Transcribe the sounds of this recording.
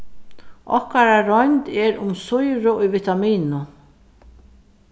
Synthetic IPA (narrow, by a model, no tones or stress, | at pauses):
ɔ̰hkaɾaɾɔjnt̪ɛɹʊmsʊjɾʊʊjvit̪amiːnʊ